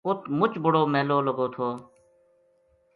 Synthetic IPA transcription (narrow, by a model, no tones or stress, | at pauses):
ʊt̪mʊt͡ʃbʊɽoːmeːloːləɡoːt̪ʰoː